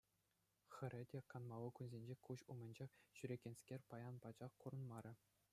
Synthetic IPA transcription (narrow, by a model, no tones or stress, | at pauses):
xʲɘ̆ɾʲɘ̆dʲekɑnmɑlɤ̆kʲunzʲenʲd͡ʑekuɕumɘ̆nʲd͡ʑeχɕyɾʲeɡʲenʲsʲkʲerʲpɑjɑnpɑd͡ʑɑχkuɾɤ̆nmɑɾʲɘ̆